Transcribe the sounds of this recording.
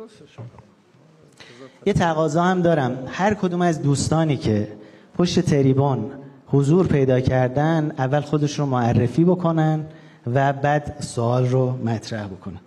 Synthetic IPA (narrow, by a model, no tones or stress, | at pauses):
jet̪ʰæɣɒːzɒːhæmd̪ɒːɾæmhæɾkʰo̞d̪uːmæzd̪uːst̪ɒːniːcʰe̞pʰoʃt̪e̞t̪ʰeɾiːbonhozuːɾpʰe̞jd̪ɒːcʰæɾd̪ænd̪ævːælxo̞d̪e̞ʃɾomoærːefiːbo̞kʰo̞nænd̪ | væbæːd̪soɒːlromæt̪ʰɾæhbo̞kʰo̞næ